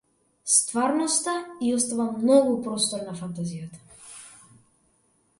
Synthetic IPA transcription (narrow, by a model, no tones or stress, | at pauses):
st̪vaɾnɔst̪aiɔst̪avamːnɔɡupɾɔst̪ɔɾnafant̪azijat̪ḁ